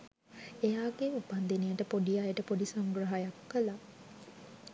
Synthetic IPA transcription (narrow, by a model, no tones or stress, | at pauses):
ejaːɡeupand̪enijəʈəpoɖijajeʈəpoɖisaŋɡrəɦajakukəla